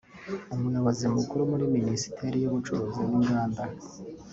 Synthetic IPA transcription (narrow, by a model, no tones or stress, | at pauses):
umujaβazimukuɾumuɾiminisi̥tʰeɾijuβut͡ʃuɾoziβɡuːŋɡaːnda